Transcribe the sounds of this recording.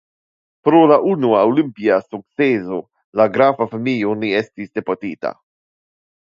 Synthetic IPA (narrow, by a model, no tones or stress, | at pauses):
pɾolaʔunuawlimpiasuk̪̚sezo | laɡɾafafamijoniest̪isd̪epot̪iːt̪a̰